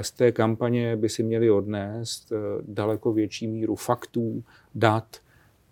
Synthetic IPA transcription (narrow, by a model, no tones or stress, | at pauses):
st̪ɛːkampaɲɛbɪsɪmɲɛlɪo̞dnɛːst̪dalɛko̞vjɛt͡ʃiːmiːɾufakt̪uː | dat̪